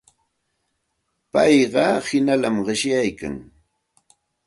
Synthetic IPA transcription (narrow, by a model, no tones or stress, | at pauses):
pɑjɢɑhɪnalamɢɪʃjajka̰ŋ